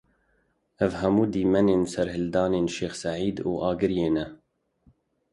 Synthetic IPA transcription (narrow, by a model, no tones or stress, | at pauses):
ʔævhɛmuːd̪iːmɛneːnsɛɾhɪld̪ɑːneːnʃeːxsaʕiːd̪uːʔɑːɡɨɾjeːnɛ